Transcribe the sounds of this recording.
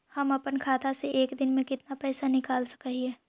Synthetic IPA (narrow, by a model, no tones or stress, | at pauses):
hɐmɐpənkʰaːt̪aseʔeːkd̪ɪnmẽkɪt̪napɛːsanɪkaːlsə̥kəɦiɦɛː